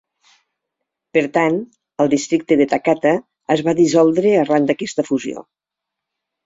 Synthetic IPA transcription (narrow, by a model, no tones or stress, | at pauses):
pəɾt̪an | əlˠd̪ist̪ɾik̚t̪əðet̪akat̪əː | zβaðizɔlˠd̪ɾəərand̪əkɛst̪əfuzio̰